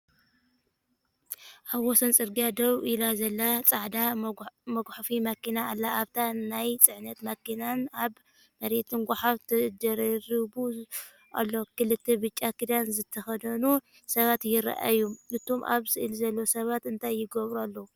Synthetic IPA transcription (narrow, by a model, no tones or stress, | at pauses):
ʔaβwɔsɐnt͡sʼɨɾɡijad̪ɐβʔilazɐlːat͡sʼaʕd̪amɐɡʷħfimɐkinaːlːaːβt̪ʰaːajt͡sʼɨʕnɐt̪mɐkːinanaβ | mɐɾet̪ʰɨnɡʷaħaft̪ʰɨd̪ɐɾɐɾɨbu | ʔa̰lːo̞kɨlɨt̪ʰːebɨt͡ʃʼːakɨd̪anzɨt̪ʰːɐxɐd̪ɐnu | sɐβat̪jɪɾa̰ʔa̰juʔɨt̪ʰo̞mʔa̰βsɨʔɨlzɐlːo̞sɐβat̪ɨnt̪ʰajːɪɡɐβɾualːɐu